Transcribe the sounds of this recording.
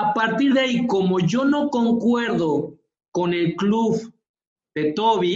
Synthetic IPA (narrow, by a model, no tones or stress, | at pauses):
apaɾt̪iɾðeaiko̞moʝo̞no̞ko̞ŋkweɾðo | kone̞lkluβ | ð̥et̪oβi